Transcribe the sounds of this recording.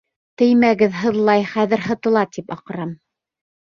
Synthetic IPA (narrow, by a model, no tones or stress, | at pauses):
t̪ɘjmæɡɘðɦɤ̆ðlˠɑjχæðɘ̆ɾɦɤ̆t̪ɤ̆lˠɑt̪ipɑqɤ̆ɾɑm